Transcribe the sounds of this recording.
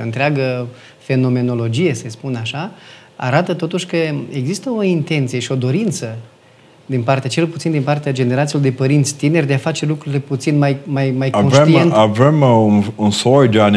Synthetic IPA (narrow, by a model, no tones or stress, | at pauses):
o̰ɨnt̪ɾeaɡə | fe̞no̞me̞no̞lo̞d͡ʒije̞se̞spunaʃa | a̰ɾat̪ət̪o̞t̪uʃʲkəe̞ɡzist̪əo̞int̪e̞nt̪sijeʃio̞d̪o̞ɾint̪sə | d̪inpart̪eat͡ʃe̞lput̪sind̪inpart̪ead͡ʒe̞neɾat̪silod̪e̞pəɾint̪sʲt̪ine̞rʲd̪e̞afat͡ʃe̞lukɾuɾile̞put̪sinmajmajmajko̞nvʃet̪ient̪avemununsojd͡ʒan